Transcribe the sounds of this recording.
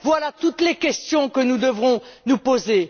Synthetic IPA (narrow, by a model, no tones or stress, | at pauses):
vwalat̪ut̪lekʲɛst̪jɔ̃kənud̪əvʁɔ̃nupoze